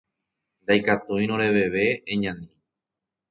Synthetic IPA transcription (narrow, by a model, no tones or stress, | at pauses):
nd̪ajkat̪uj̃ñõɾe̞βe̞ʋe̞eɲãnĩ